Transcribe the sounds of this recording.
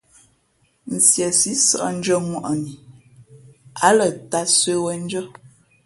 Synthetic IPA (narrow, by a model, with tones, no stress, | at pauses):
n̩˨sjɛ˨si˨˦sə̰˨ʔn̩˦d͡ʒə˦ŋwɔ˨ʔni˨ | a˨˦lə˨ta˦swe˦wə˦n̩˦d͡ʒə˦